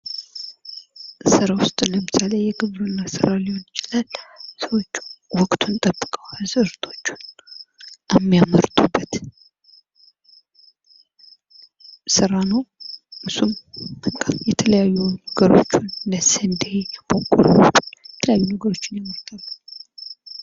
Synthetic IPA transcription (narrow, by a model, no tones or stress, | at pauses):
sɨɾawʊst̪ʼnləmɨsalejɛɡɨβɾunːasɨɾalihonjɪt͡ʃɪlalsəwot͡ʃːwɔkʼt̪ʰunt̪ʼəbːɨkʼəwazɨɾt̪ʰʼo̞̥t͡ʃːun | jɛmːijaməɾt̪ʼubːət̪ | sɨɾanəwʔɨsumɨŋkʰʼajɛt̪ʰələjajːunəɡəɾo̞̰t͡ʃːunːəsənd̪ebokʼːo̰ɾt̪ːujɛt̪ʰələjajːunəɡəɾo̞t͡ʃːɪnjaməɾt̪ʰʼalː